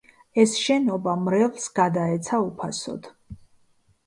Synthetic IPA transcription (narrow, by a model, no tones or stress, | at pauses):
ɛsʃɛnɔbamɾɛvsɡad̪aɛt̪sʰaupʰasɔ̰d̪̥